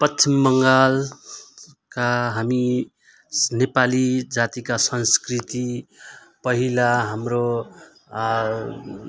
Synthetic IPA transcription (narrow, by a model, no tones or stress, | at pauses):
pʌt͡ʃʰimːʌŋɡal | kaɦami | nepalid͡ʒat̪ikasʌ̃nskɾit̪i | pʌɦilaɦəmɾo